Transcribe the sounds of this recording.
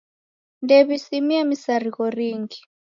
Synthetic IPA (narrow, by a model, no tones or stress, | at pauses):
ndɛβisimiamisaɾiɣɔɾiŋɡi